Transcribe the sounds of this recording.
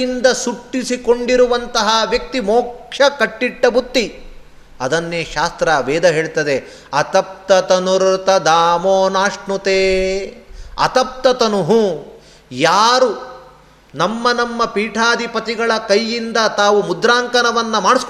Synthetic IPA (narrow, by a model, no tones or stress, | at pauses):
ind̪ɐsuʈːisikoɳɖiɾuʋɐnt̪ɐɦɐʋjɐk̚t̪imoːkʂɐkɐʈːiʈːɐbut̪ːi | ɐd̪ɐnːeːʃaːst̪ɾɐʋɛːd̪ɐɦeːɭt̪ɐd̪e | ɐt̪ɐp̚t̪ɐt̪ɐnuɾt̪ɐd̪aːmoːnaːʂnut̪eː | ɐ̰t̪ɐp̚t̪ɐt̪ɐnuɦu | jaːɾu | nɐmːɐnɐmːɐpiːʈʰaːd̪ipɐt̪iɡɐɭɐkɐjːind̪ɐt̪aːʋumud̪ɾaːŋkɐnɐʋɐnːɐmaːɽisk